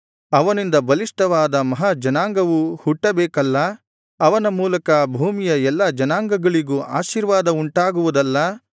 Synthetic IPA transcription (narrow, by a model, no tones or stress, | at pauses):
ɐʋɐnind̪ɐbɐliʂʈɐʋaːd̪ɐmɐɦad͡ʒɐnaːŋɡɐʋuhuʈːɐbɛːkɐlːɐː | ʋɐnɐmuːlɐkɐbʱuːmijɐɛlːɐd͡ʒɐnaːŋɡɐɡɐɭiɡuːʔa̰ːʃiːɾʋaːd̪ɐuɳʈaːɡuʋud̪ɐlːɐ